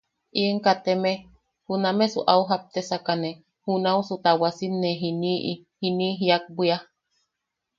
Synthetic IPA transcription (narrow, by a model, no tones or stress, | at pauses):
ʔieŋkat̪eme | hunamesṵʔauɦap̚t̪esakane | hunausut̪awasinːeɦiniʔi | hiniɦiak̚bia